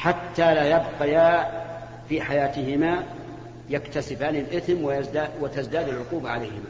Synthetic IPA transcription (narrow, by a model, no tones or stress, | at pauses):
ħat̪ːalaːjabqɑjaː | fiːħajaːt̪ɪhɪma | jakt̪asɪbaːnɪlʔɪθmwɪd̪awɪt̪azd̪aːd̪alʕʊquːbaʕalajhɪma